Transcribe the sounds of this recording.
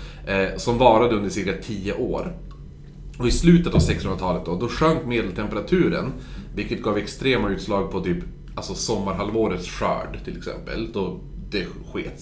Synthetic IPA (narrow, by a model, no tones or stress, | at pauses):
sɔmvɑːɾad̪əɵnd̪əʂɪɾkat̪ʰiːəʔoːɾ | ɔɪslʉ̟ːt̪ət̪avsɛkshɵnɾat̪ʰɑːlət̪̚d̪ɔd̪ɔɧœŋkmeːd̪əlt̪ʰɛmpɛɾat̪ʰʉ̟ːɾə̰n | vɪlkət̪̚ɡɑːvɛkst̪ɾeːmaʉ̟ːt̪slɑːɡ̚pʰɔt̪ʰyːp | alsɔsɔmːaɾɦalvoːɾət̪sɧœ̰ːɖt̪ʰɪlɛksɛ̰mpə̰ld̪̥ɔd̪̥ɛ | ɧeːt̪